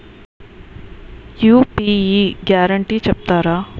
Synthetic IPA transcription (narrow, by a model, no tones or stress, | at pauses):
juːpiiɡaːɾəɳʈit͡ʃɐp̚t̪aːɾa